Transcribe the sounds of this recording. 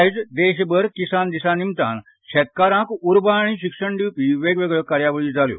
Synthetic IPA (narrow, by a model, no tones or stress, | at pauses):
jd͡zd̪eɕbəɾkisand̪isãnimt̪a̰ːn | ɕɛt̪̚kaɾãkuɾbaɽ̃iɕikʂəɳɖiːpiʋeɡʋeɡɭəkaɾjaʋəɭiːd͡zaljo̰